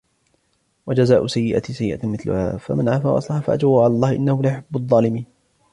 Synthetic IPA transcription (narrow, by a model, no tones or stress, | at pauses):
wad͡ʒazaːʔʊsajːɪʔa̰t̪sajːɪʔamɪθlʊ̰ha̰ːfa̰manʕaːfaːwʔɑ̰sˤlɑħafaʔad͡ʒwaʕalaːlˤːɑːhɪʔɪnːahʊlajʊħabːʊɑðˤːɑːlɪmiːn